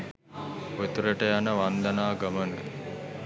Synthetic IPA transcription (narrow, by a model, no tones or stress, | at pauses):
ot̪uɾəʈəjanəʋand̪ɐnaːɡɐmənə